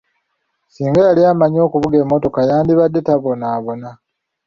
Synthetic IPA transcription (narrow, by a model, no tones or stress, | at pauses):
siːŋɡajaliamaɲo̞ːkuβuɡe̞ːmːo̞to̞kajaːndiβadːe̞taβo̞naːβo̞na